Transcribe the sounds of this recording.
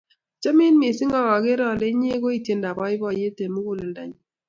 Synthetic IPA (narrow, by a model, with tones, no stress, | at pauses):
t͡ʃa˦mɪ˦nmɪ˨sɪ˦ŋɔ˦ɣɔ˨ɡɪ˦ɾɔ˦˨le˦ɲ˦e˦ɡo˦i˦˨tje˦nda˨bɔ˦ɪ˦bɔ˨je˦te˨mu˦ɡu˦˨le˨nda˨ɲ˨